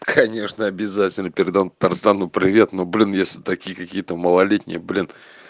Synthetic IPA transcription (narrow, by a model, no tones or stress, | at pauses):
kʰɐnʲe̞ʂnəɐbʲɪzatʲɪlʲnəpʲɪɾʲɪd̪avmpə̥t̪arst̪anʊpɾʲɪvʲe̞t̪noblʲɪnjesʲlʲɪt̪ɐkʲijəkɐkʲijət̪əməlˠɐlʲetʲnʲɪ̰jəblʲɪn